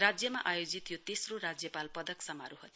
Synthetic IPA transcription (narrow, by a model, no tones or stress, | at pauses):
rad͡zjʌmaʔajod͡zit̪jot̪esroɾad͡zjʌpalpʌd̪ʌksʌmaɾuɦot̪